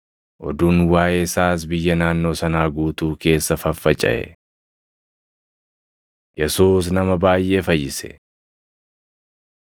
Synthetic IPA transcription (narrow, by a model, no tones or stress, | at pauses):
ʔɔd̪unwaːʔeːɪsaːs̬bɪjːɐnaːnːo̞ːsɐnaːɡuːt̪uːke̞ːsːɐfɐfːɐt͡ʃʼɐ̰ʔɛ̰ | jɛsuːsnɐmɐbaːjʔe̞ːfɐjːɪsɛ̥̰